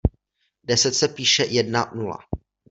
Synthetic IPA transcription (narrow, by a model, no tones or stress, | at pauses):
dɛsɛt̪sɛpiːʃɛjɛdnanula̰